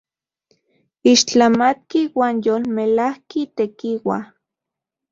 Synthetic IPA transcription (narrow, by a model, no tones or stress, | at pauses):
iʃt͡ɬamat̪kiwaːnjoːlmelahkit̪ekiwa̰